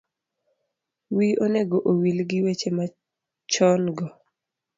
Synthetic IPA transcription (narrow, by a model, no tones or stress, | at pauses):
wiʔoneɡoʔowilɡɪwet͡ʃema | t͡ʃɔnɡɔ